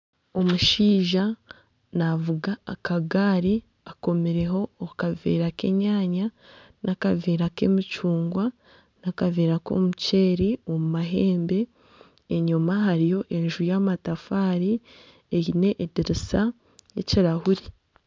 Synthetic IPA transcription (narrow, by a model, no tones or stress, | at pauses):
o̞muʃiːʒa | navuɡaːkaɡaːɾi | ako̞meɾe̞ɦo̞ːkavḛːɾake̞̰ɲaːɲa | nʔakaveːɾake̞̰mit͡ʃuːŋɡwa | nakaveːɾako̰muce̞ːɾiomumaɦe̞ːmbe̞ː | ɲumaɦaɾijo̞ʔe̞nʒuujaːmatafaːɾi | ejine̞ʔediɾisa | jḛciɾahuɾi